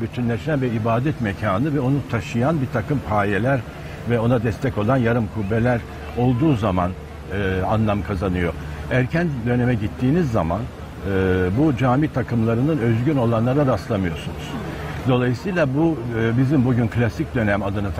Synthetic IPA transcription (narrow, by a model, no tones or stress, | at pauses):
byt͡ʃ̪ʰynlʲɛʃænvɛibaːd̪ɛt̪mecʰaːnɯvɛo̞nut̪ʰaʃɯjanbiɾt̪ʰakɯmpʰaːjelʲæɾ | vɛo̞nad̪ɛst̪ʰɛco̞lˠanjaɾɯmkʰubːelʲæɾ | o̞lˠd̪uːzaman | a̰nlˠamkʰazanɯjo̞ | æɾcʰænd̪ø̞ne̞mɛɟit̪ʰːiːnizːaman | ɯbud͡ʒaːmiːt̪ʰakʰɯmlˠaɾɯnɯnø̞zɟyno̞lˠanlˠaɾaɾaslˠamɯjo̞sunuz̥ | d̪o̞lˠajɯsɯjlʲˠabubizimbuɟynklʲasic̚d̪ø̞næmad̪ɯnɯt̪ʰ